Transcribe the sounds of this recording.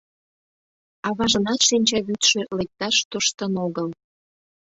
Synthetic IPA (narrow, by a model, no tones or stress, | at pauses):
ɑβɑʒə̆nɑt̪ʃinʲt͡ɕɑβyt̪ʃĕlek̚t̪ɑʃt̪əʃt̪ənoɣəl